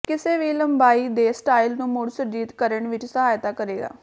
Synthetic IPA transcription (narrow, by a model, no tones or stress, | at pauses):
kɪseːʋiːləmbaːiːd̪eːsʈaːilnũːmʊɽsəd͡ʒiːt̪kəɾəɳʋɪt͡ʃsəɦaːjt̪aːkəɾeːɡa̰ː